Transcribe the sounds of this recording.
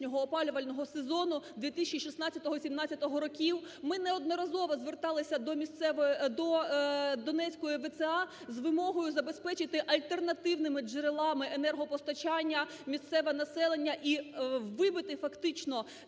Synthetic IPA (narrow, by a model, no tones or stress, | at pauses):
nʲɔɦɔːpɑlʲʊʋɐlʲnɔɦɔsezɔnʊd̪ʋʲit̪isʲt͡ʃʲiʃisnɑt͡sʲːɐt̪ɔɦɔsʲimnɑt͡sʲːɐt̪ɔɦɔɾɔkʲiwmɪnɛɔd̪̚nɔɾɐzɔʋɐzʋert̪ɑlˠɪsʲɐd̪ɔmʲist̪sɛʋd̪ɔ | d̪ɔnɛt͡sʲkɔjʊʋet̪sɛɑ | zʋɪmɔɦɔjʊzɐbe̞spɛt͡ʃɪt̪ɪʔɐlʲt̪ernɐt̪ɪwnɪmɪd͡ʒeɾelˠɑmɪʔenɛrɦɔpɔst̪ɐt͡ʃɑnʲːɐ | mʲist̪sɛʋɛnɐsɛlˠenʲːɐʔiʋɪbɪt̪ɪfɐkt̪ɪt͡ʃnɔ